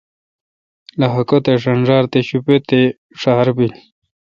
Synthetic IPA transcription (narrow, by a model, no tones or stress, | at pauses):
laɦɐkot̪eʂɐnʐaːɾt̪eɕupet̪e | ʂaːɾbili